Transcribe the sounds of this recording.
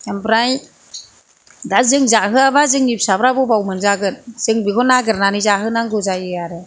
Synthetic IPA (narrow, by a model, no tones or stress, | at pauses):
ambɾaj | dazɯŋzaɦɯabazɯŋnip̚sabɾabɔbawmɯnzaɡɯn̚z̥ɯŋbikʰɔnaɡɯɾnanizaɦɯnaŋɡɯzajɯaɾe